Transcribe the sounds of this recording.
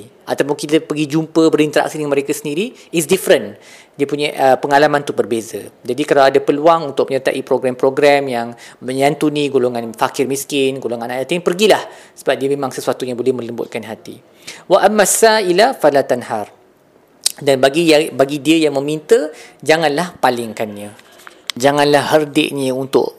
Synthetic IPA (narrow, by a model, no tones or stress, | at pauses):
ʔat̪apʊnkit̪əpəɡid͡ʒumpəbəɾint̪əɾa̰k̚sidəŋãnməɾekasəndiɾi | ɪs̬difɾən | diəpuɲaʔəpəŋalamãnt̪ubərbeza̰d͡ʒadikalawadapəluaŋunt̪ʊk̚məɲət̪a̰ʔipɾoɡɾampɾoɡɾɛmjaŋmə̃ɲant̪unĩɡoloŋanfakɪrmĩskɪnɡoloŋanaʔnat̪aŋpərɡilahsəbap̚diəmẽmãŋsəsuat̪uɲabolɛhmə̃ləmbʊ̰t̪̚kanɦat̪ḭ | waʔamːasailafalat̪anhar | danbaɡibaɡidiəjaŋmə̃mint̪əd͡ʒaŋãnlahpalɪŋkanːɲə | d͡ʒaŋãnlahɦərdɪ̰ʔɲəunt̪ʊ̰ʔ